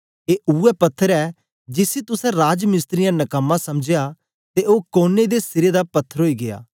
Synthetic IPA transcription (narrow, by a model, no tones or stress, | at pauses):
eːʔuɛpɐt̪ʰːəɾɛː | d͡ʒɪset̪ʊsɛ̃ɾaːd͡ʒmɪst̪ɾɪjãnɐkəmːãsɐmd͡ʒeja | t̪eʔoːkoːned̪est̪ɪɾed̪apɐt̪ʰːəɾɦoːiɡeja̰ː